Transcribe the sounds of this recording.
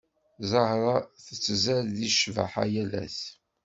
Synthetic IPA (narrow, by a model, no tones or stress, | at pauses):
zˤɑhɾˤɑθət͡sːzæɾðiʃva̰ħa̰jælæ̰s